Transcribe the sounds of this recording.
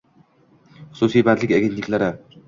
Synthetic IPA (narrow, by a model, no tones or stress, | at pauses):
χsuːsiːbæːd̪ɮʲĭkʲaɡʲen̥t̪iklaɾa